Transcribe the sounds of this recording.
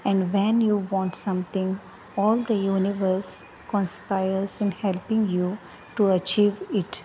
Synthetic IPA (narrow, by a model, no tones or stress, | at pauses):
ɛ̃ɳɖʋɛ̃njuːʋɔ̃ːɳʈsʌ̃mt̪ʰɪ̃ŋ | ɔːld̪əjuːnɪʋəɾs | kɔ̃nspaɪəɾzɪ̃nhɛlpɪ̃ŋjuː | ʈuət͡ʃiːʋɪʈ